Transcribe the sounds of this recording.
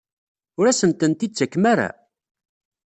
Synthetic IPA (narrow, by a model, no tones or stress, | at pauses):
ʊɾæsəmt̪ənt̪it͡sːækːmaɾa̰